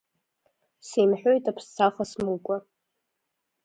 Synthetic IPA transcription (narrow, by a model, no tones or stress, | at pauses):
semħʷᶣojtʼapʰst͡sʰaχasmukʷʼa